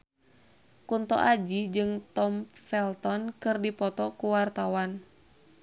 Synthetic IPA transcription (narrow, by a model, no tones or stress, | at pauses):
kunt̪ɔ̰ʔad͡ʒid͡ʒɨŋt̪ɔmfɛlt̪ɔnkɨrdipɔt̪ɔkuwart̪awan